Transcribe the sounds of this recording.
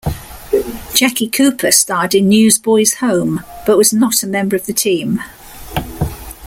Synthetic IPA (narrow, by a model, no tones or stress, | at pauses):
d̥ʒ̥akikʰʉˑpʰəstɑːˑdɪ̃nːjʉːzbɔɪz̥hə̃ʊ̃mb̥ʌʔwɒznətəmɛ̃mbəɹəvðətʰĩːm